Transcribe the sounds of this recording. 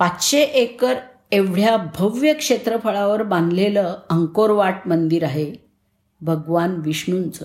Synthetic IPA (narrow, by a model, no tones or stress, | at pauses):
pat̪ɕeʔekəɾ | eʋɽ̤jabʱəʋjəkʂet̪ɾəpʰəɭaʋəɾbãnd̪ʱleləəŋkoɾʋaʈ̚mənd̪iːɾaɦe | bʱəɡʋanʋiɕɳunt͡sə